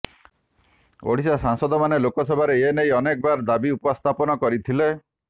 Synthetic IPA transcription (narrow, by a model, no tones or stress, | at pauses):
o̰ɽ̤isasaŋsɔd̪ɔmanelokɔsɔbʱaɾeenejɔnek̚baɾd̪abiupɔst̪ʰapɔnɔkɔɾit̪ʰile